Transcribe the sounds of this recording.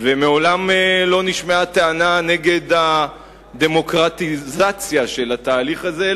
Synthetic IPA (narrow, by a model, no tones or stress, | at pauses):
vemeo̞lamelo̞niʃmeat̪eanane̞ɡe̞d̪a | d̪e̞mo̞kʁat̪izat͡sjaʃe̞lat̪aːliχaze̞